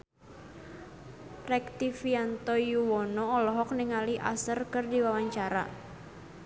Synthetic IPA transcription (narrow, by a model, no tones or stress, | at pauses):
rɛk̚t̪ifiant̪ɔjuwɔnɔːlɔɦɔk̚niŋaliʔa̰sərkɨrdiwawaɲt͡ʃaɾa̰